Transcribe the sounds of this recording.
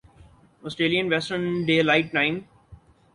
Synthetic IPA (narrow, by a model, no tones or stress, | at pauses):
ɔsʈɾeːlijə̃nʋɛsʈənɖeːlaɪʈ̚ʈãɪ̃m